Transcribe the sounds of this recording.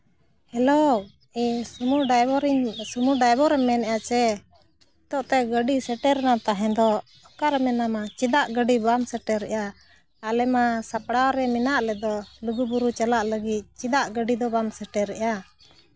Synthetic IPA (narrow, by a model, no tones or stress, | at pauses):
hɛlo | iumuɾsumuɖajbɔɾɛmɛnɛjat͡ʃɛ | t̪ɔʔt̪ɛɡəɖisɛʈɛɾɛnat̪aɦɛ̃d̪ɔ | ɔkaɾɛmɛnamat͡ʃid̪aʔɡəɖibamsɛʈɛɾɛ̰ʔjaː | lɛmasapɽaɾɛmɛnaʔlɛd̪ɔluɡubuɾut͡ʃalaʔləɡit̪̚t͡ʃid̪aʔɡəɖid̪ɔbamsɛʈɛɾːɛʔja